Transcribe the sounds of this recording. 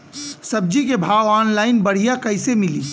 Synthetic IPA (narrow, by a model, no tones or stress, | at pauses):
sɐb̚d͡ʒikebʱaːwɔːnlaːɪnbɐɽ̤ijakɐɪsemɪliː